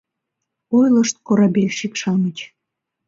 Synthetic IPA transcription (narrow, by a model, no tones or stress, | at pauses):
ojləʃt̪̚koɾɑbelʲʃikʃɑmət͡ɕ